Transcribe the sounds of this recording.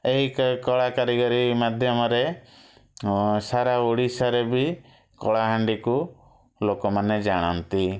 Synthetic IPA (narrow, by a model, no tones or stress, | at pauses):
eɦikkɔɭakaɾiɡɔɾimad̪ʱjɔmɔɾe | saɾauɽisaɾebi | kɔɭaɦaɳɖiku | lokɔmaned͡ʒaɽ̃ɔ̰nt̪i